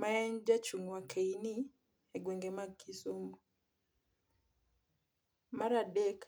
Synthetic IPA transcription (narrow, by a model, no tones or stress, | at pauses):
maɛɲd͡ʒat͡ʃuŋwakʰeini | ɛɡwɛŋɡɛmakisumu | maɾadɛk